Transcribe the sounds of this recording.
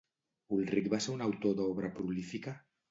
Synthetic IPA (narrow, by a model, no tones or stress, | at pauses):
ulrikβaseunawt̪oðɔβɾapɾulifika